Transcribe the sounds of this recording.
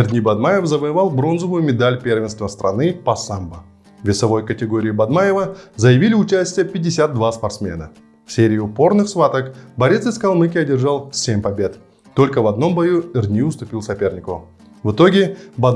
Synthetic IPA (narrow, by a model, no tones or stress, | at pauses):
ɪrd̪ʲnʲibɐd̪majɪfzəvəjɪvalˠbɾo̞nzəvʊjʊmʲɪd̪alʲpʲe̞rvʲɪnst̪vəst̪ɾʔɐ̰nɨpɐsambə | vʲɪsɐvo̞jkətʲɪɡo̞ɾʲɪːbɐd̪majɪvəzəjɪvʲilʲɪʊt͡ɕæsʲtʲɪjəpʲɪdʲːɪsʲad̪̚d̪vaspɐrt̪smʲe̞̰nə | fsʲeɾʲɪːʊpo̞rnɨxsvat̪əkbɐɾʲe̞t̪sɨskɐlˠmɨkʲɪɐdʲɪrʐalˠsʲemʲpɐbʲe̞t̪ | t̪ːo̞lʲkəvɐd̪no̞mbɐjurd̪ʲnʲijʊst̪ʊpʲilˠsɐpʲe̞rnʲɪkʊ | vɨt̪o̞ɡʲɪbɐ